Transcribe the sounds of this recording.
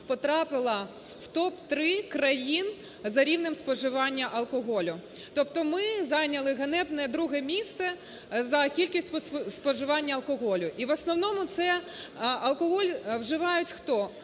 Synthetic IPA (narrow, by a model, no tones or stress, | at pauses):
pɔt̪ɾɑpɪlˠɐ | ft̪ɔpt̪ɾɪkɾɐjin | zɐɾʲiwnɪmspɔʒɪʋɑnʲːɐʔɐlˠkɔɦɔlʲʊt̪ɔpt̪ɔmɪzɑjnʲɐlˠɪɦɐnɛbnɛd̪ɾuɦɛmʲist̪sɛ | zɐkʲilʲkʲisʲtʲspɔʒɪʋɑnʲːɐɐlˠkɔɦɔlʲʊʔiʋɐsnɔwnɔmʊt̪sɛ | ɐlˠkɔɦɔlʲwʒɪʋɑjʊtʲxt̪ɔ